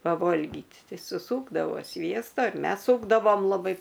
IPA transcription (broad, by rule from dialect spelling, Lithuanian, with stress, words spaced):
pɐˈʋoːlʲɡʲiːt ˈtʲɛɪ sʊˈsuːɡdɐʋoː ˈsʲʋʲiɛstɐ ɪr ˈmʲɛs ˈsuːɡdɐʋoːm lˠɐˈbɐɪ